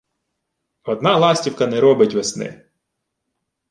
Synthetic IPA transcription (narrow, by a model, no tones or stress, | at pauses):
ɔd̪nɑlˠɑsʲtʲiwkɐnɛɾɔbɪtʲʋesnɪ̰